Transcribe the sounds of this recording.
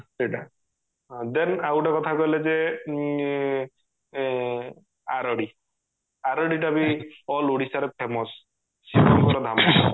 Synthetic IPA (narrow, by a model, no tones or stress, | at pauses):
seʈã | d̪ɛnawʈakɔt̪ʰakɔleze | aɾɔɽi | aɾɔɽiʈabiɔluɽisaɾepʰemɔs | sipɔmkɔɾɔd̪ʱamɔs